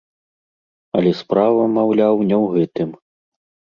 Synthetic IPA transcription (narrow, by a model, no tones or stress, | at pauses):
ɐ̰lʲɛspɾavɐmawlʲawnʲɛwɣɛt̪ɨm